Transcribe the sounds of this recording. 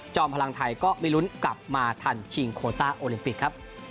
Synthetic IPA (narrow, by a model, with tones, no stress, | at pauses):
t͡ɕɔː˧mpʰa˧la˧ŋt̪ʰa˧jkɔː˥˩mi˥˩lu˦˥nkla˨˩p̚maː˧t̪ʰa˧nt͡ɕʰi˧ŋkʰoː˧t̪aː˥˩ʔoː˧li˧mpi˨˩kʰːɾa˦˥p̚